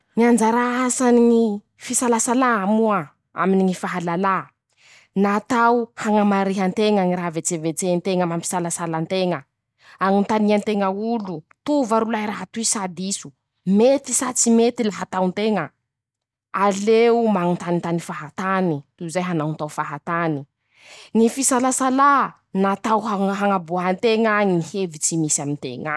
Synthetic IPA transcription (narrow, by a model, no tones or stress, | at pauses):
niand͡ʒaɾaasaniŋi | fisalasalamua | a̰miniŋifaɦalala | nat̪awhaŋəmaɾeɦant̪eŋaŋiɾaɦvet͡sevet͡sent̪eŋəmampi̥salasalant̪eŋə | aŋint̪aniant̪eŋəulu | t̪uvaɾulaiɾaɦat̪uisad̪isu̥ | met̪isat͡simet̪ilaɦat̪awnt̪eŋə | aleumaŋint̪anint̪anifaɦat̪anit̪uzajɦanawnt̪awfaɦat̪ani | ŋifisalasala | nat̪awɦaɦaŋabuɦant̪eŋəŋihevit͡simisamint̪ḛŋə̰